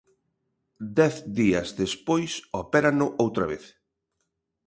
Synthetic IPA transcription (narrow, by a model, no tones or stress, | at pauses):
d̪ɛθd̪iɐzðespojsopɛɾanʊʔowt̪ɾɐβeθ